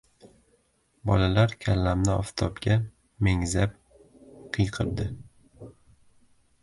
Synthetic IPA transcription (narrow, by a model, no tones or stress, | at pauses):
bɒ̰lalaɾkʲʰallːamnɪɒ̰ft̪ʰɒpɡʲa | meŋzap̚ | qʰɨjqʰɨɾd̪ɪ